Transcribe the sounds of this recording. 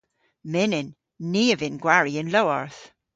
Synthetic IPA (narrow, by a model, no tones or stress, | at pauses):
mɪnɪnː | iːəvɪnɡwaɹiɪnlowɔɹθ